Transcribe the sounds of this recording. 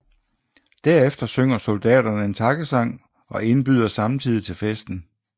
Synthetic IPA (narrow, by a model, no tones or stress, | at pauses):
d̥æɐ̰efd̥ɐsøŋ̰ɐso̝ld̥ɛ̰ːd̥ɐnəe̝nt͡sʰɑ̈ɡ̥əsɑ̈ŋ̰ | ɒ̽e̝nb̥yðˠɐsɑ̈mt͡sʰið̞̰ˠit͡sʰe̝lfesd̥n̩